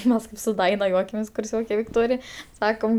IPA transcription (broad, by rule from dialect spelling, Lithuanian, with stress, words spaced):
ˈmʲɛs kɐɪp sʊ ˈjuɔkʲɛmʲeːs kʊrʲˈsʲoːkʲɛ ʋʲɪkˈtoːrʲɪj ˈsɑːkoːm